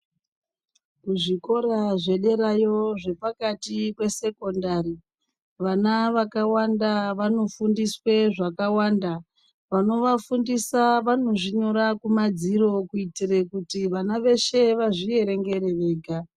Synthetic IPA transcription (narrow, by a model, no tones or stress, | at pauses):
kuʐiko̞ɾaʐe̞ɗe̞ɾajo̞ʐe̞pakatikwe̞se̞ko̞ndaɾi | ʋanaʋakawandaʋano̞fundisweʐakawaːnda | ʋano̞ʋafundisaʋano̞ʐiɲo̞ɾakumad͡ziɾo̞kuitirekutiʋanaʋe̞ʃe̞ʋaʐie̞ɾe̞ŋɡe̞ɾe̞re̞ːka